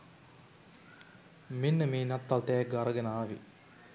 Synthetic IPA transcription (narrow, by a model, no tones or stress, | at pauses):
minːəmeːnat̪ːalt̪ɛːɡəaɾəɡenəaːʋḭ